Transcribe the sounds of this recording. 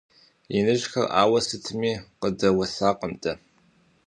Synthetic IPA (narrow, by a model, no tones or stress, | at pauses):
inɨʒxɐra̰ːwɐsɨtʰɨmiːqədɐwɐsaːqəmtʼɐ